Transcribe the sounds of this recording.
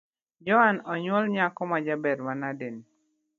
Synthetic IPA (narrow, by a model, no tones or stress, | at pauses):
d͡ʒɔhanɔɲwɔlɲakɔmad͡ʒabɛɾmanaden